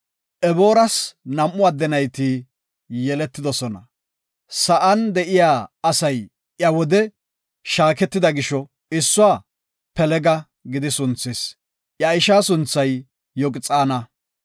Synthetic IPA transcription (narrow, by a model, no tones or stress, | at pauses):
ʔɛbo̞ːɾɐsnɐmʔːʊad̪ːɛnɐjt̪iː | jɛlɛt̪ːɪd̪ɔsɔnɐ̰ | sɐʔɐnd̪ɛʔɪjaːɐsɐj | ʔjɐwɔd̪ɛ | ʃaːkɛt̪ːɪd̪ɐɡɪʃɔ | ɪsːʊaː | pɛlɛɡɐ | ɡɪd̪ɪsʊnt͡sːes | ʔjɐɪʃaːsʊnt͡sːɐjː | ɔkʼɪt͡sʼaːnɐ